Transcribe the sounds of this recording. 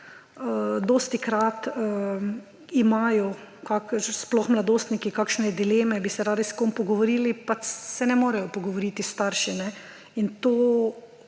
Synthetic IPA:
əd̪oːst̪ikɾat̪ə | imaːjɔ | kakʃsplɔxmlad̪oːst̪nikikaːkʃnɛd̪ileːmɛbisɛɾaːd̪iskompɔɡɔʋoɾiːlipat͡ʃsɛnɛmoːɾɛjɔpɔɡɔʋoɾiːt̪ist̪aɾʃinɛ | int̪oː

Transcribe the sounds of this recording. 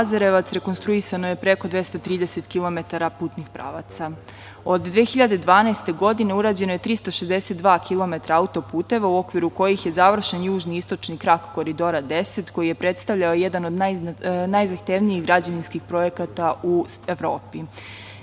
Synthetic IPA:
azaɾeʋat̪sɾe̞konst̪ɾuisanoje̞pɾe̞kod̪ʋe̞st̪at̪ɾiːd̪eset̪kilˠo̞me̞t̪aɾapuːt̪nixpɾa̰ːʋat̪sa | o̞d̪ːʋexiʎad̪e̞d̪ʋaːnast̪e̞ɡo̞d̪ine̞uɾaːd͡ʑe̞noje̞t̪ɾist̪aʃezd̪eset̪̚d̪ʋaːkʰilˠo̞me̞t̪ɾaaut̪o̞puːt̪e̞ʋauo̞kʋiɾuko̞jixje̞zaʋr̩ʃenjuːʒniist̪o̞t͡ʃnikɾakko̞ɾid̪o̞ɾad̪e̞set̪ko̞jije̞pɾe̞t̪st̪aʋʎaoje̞d̪ano̞d̪najnajzaxt̪eːʋniiɣɡɾad͡ʑaʋinskixpɾo̞je̞kat̪aueʋɾo̰ːpi

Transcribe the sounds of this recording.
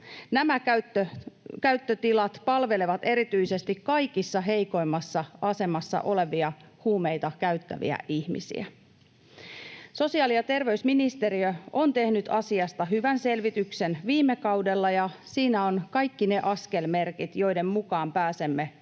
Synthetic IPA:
næmækæt̪ːøkæyt̪ːøt̪ilɑt̪pɑlʋe̞leʋɑt̪e̞ɾit̪yjse̞st̪ikkɑjkisːɑɦe̞jko̞jmːɑsːɑʔɑse̞mɑsːɑ̰ʔo̞le̞ʋiɑhuːmejt̪ɑkæyt̪ːæ̰ʋḭæ̰ʔihmḭsḭæ̰ | so̞siɑːlijɑt̪e̞rʋe̞ysminist̪e̞ɾiøont̪e̞hnyt̪ɑsiɑst̪ɑɦyʋænse̞lʋit̪yksenʋiːmːekɑwde̞lːɑjɑsiːnæo̞nkɑjkːine̞ʔɑske̞lme̞rkit̪jo̞jde̞mmukɑːmpæːse̞mːe̞

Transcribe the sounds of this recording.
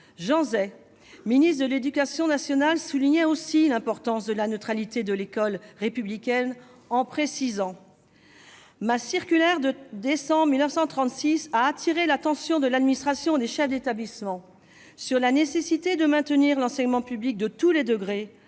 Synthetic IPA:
ʒɑ̃zɛ | minist̪d̪əled̪ykʲasjɔ̃nasjɔnalsuliɲɛosilɛ̃pɔʁt̪ɑ̃sd̪əlanøt̪χalit̪ed̪əlekɔlʁepyblikʲɛn | ɑ̃pχesizɑ̃ | masiʁkʲylɛʁd̪əd̪esɑ̃bʁmilnəfsɑ̃t̪χɑ̃t̪sisaːt̪ʰiʁelat̪ɑ̃sjɔ̃d̪əlad̪minist̪χasjɔ̃d̪eʃɛfd̪et̪ablismɑ̃ | syʁlanesesit̪ed̪əmɛ̃t̪əniʁlɑ̃sɛɲmɑ̃pyblik̚d̪ət̪uled̪əɡʁe

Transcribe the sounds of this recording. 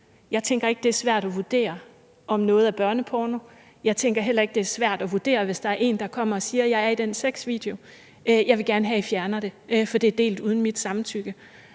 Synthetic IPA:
jɑ̈ɪt͡sʰeŋɡ̥ɐe̝ɡ̥əd̥e̝æɐsʋæɐ̰ɾ̥ɒʋud̥e̝̰ːɐ | ɒ̽mnɔ̽ːð̞̩ˠæb̥ɶɐnəpʰɒːno | jɑ̈ɪt͡sʰeŋɡ̥ɐɦel̰ɐe̝ɡ̥̚d̥e̝æɐsʋæɐ̰d̥ɒʋud̥e̝̰ːɐʋe̝sd̥ɑ̈æɐʔe̝̰ːnd̥ɑ̈kʰɒ̽m̰ɐɒ̽siːɐjɑ̈ɪæɐid̥en̰seɡ̥sʋḭːd̥eo̝ | øjɑ̈ɪʋe̝ɡ̥æɐnəɦɛifjæɐnɐɾ̥e̝fɒ̽d̥eæd̥e̝̰ːld̥uːðˠn̩mid̥sɑ̈mt͡sʰyɡ̥ə

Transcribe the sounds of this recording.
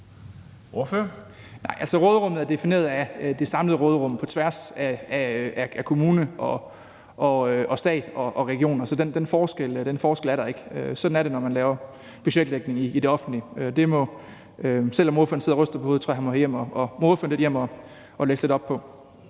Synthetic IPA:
oføɐ | nɑ̈ɪ̰ʔælsɒʁɔːð̞ˠʁɔ̽m̰ð̩ˠæɐd̥e̝fine̝̰ːɐð̩ˠæd̥e̝sɑ̈mləð̩ˠʁɔːðˠʁɔ̽m̰pʰɒ̽t͡sʰʋæɐsæææʔækʰo̝muːnəʔɒ̽ | ʔɒ̽øʔɒsd̥ɛ̰ːd̥ɒ̽ʔɒ̽ʁɛɡ̥io̝̰ːnɐsɒ̽d̥end̥enfɒːsɡ̥el̰d̥enfɒːsɡ̥elæɐɾ̥ɑ̈e̝ɡ̥əøsɒ̽d̥n̩æɐɾe̝nɒmænlɛːʊɐ | b̥yɕed̥leɡ̥ne̝ŋiide̝ɒ̽fn̩dliød̥e̝mɔ̽ | øsel̰ɒ̽mo̝ɐfø̰ːɐn̩se̝ðˠʁœsd̥ɐpʰɒo̝ːðˠt͡sʰɔ̰ɐhænmɔhḛjem̰ɒɒmoːðˠfø̰ɐnle̝d̥jem̰ɒ̽ | ʔɒ̽leɡ̥sle̝d̥ɒ̽b̥̚pʰɒ̽

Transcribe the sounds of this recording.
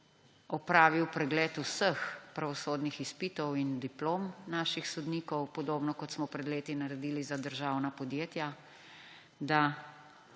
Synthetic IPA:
ɔpɾaːʋiwpɾɛɡlɛːt̪usəxpɾaʋɔsoːd̪nixispiːt̪ɔwind̪iploːmnaːʃixsɔd̪niːkɔwpɔd̪oːbnɔkɔt̪smɔpɾɛd̪leːt̪inaɾɛd̪iːlizad̪əɾʒawnapɔd̪jeːt̪ja | d̪a

